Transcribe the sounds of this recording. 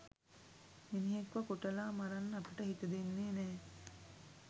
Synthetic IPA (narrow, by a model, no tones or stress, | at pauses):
miniɦekʋɐkoʈɐlaːmaɾanːɐpəʈəɦit̪əd̪enːeːnɛː